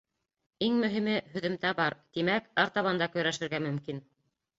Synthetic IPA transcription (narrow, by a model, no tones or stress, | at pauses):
iŋmɵ̆ɦimɘɦɵ̆ðɘ̆mt̪æbɑɾt̪imækɑɾt̪ɑβɑnd̪ɑkɵ̆jɾæʃɘ̆ɾɡæmɵ̆mkin